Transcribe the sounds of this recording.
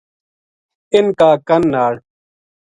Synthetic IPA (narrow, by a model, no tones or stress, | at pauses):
ɪnkaːkɐnːaːɽ